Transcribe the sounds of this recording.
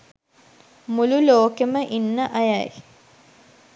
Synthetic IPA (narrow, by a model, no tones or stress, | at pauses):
mululoːkeməʔinːəʔajaj